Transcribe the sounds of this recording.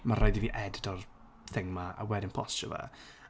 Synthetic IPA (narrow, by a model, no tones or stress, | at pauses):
maɾɔjðiviːʔɛddɔr | θɪŋmaa̰wɛdɪnpʰɔst͡ʃə̰va̰